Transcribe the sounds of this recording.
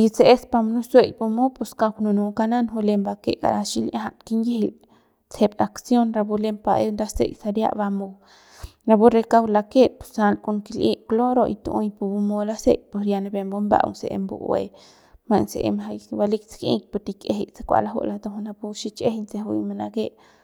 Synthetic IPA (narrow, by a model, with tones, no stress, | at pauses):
i˧t͡se˧e˦spa˧m˧nu˦swe˧˨jpu˧mo˦pu˧ska˧knu˧nu˧ka˧na˦nɦu˧le˧mba˧kḛ˦ka̰˨ɾaʃi˦la˦ɦa˧ʔkinje˦hil | t͡se˧baksjo˦nɾa˧bu˧le˦mpaʔe˦nɾa˦sḛ˦jsa˧ɾja̰˦ʔba˧mo˧ | ɾa˧bu˦ɾe˧ka˦wla˧ke˦pu̥˨sa˧lko˧ŋki˧˨lʔi˦ʔklo˦ɾo˧ʔi˧t̪u˧o˧jpu˧bu˧mo˧la˦sḛ˦jpo˨sja˧na˧be˧mbo˦mba̰˧ʔwnsḛ˨ḛ˧mbṵ˨wḛ˨ | ma˧nse˨ʔḛ˧mɦa˧jba˧li˦kt͡ski˦k̚po˧ɾt̪i˧ke˨ɦe˨ʔt͡sḁ˦kʷa̰˨la˦ɦo̰˦ʔla˧t̪o˧hu˧na˧pu˧ʃi˦t͡ʃe˦hint͡se˧ɦṵ˧jma˧na˧ke˦ʔ